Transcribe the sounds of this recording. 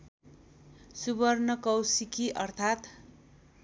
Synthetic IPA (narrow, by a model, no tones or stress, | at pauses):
subʌrnʌkʌwsikiʔʌrt̪ʰat̪